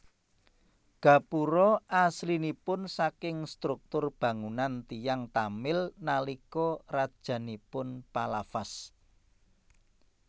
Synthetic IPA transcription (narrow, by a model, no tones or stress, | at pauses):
ɡ̥ä̤puɾɔʔaslinipʊnsakɪŋst̪ɾʊk̚t̪ʊrb̥ä̤ŋunant̪ijaŋt̪amɪlnalikɔrad̥ʒ̥ä̤nipʊnpalafas